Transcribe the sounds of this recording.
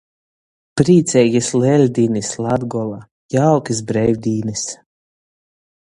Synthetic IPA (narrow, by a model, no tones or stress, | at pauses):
pɾiːt̪sʲɛjɡʲislɛlʲd̪ʲiːnislˠad̪ɡɔlˠa | jawkis̬bɾɛjvʲd̪ʲiːnis